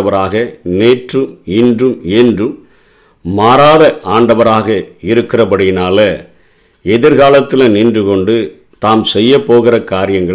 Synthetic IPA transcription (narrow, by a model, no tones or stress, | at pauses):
ɐʋɐɾaːɣɐneːʈrɯmɪndrɯmɛndrɯmː | aːɾaːðɐʔaːɳɖɐʋɐɾaːɣɐɪɾɯkːɪrɐpɐɽɪjɪnaːlɐ | ɛðɪɾɣaːlɐt̪ːɪlɐniːndrɯkɔɳɖɯ | t̪aːmsɛjːɐpːoːɣɪrɐkaːɾɪjɐŋɡɐ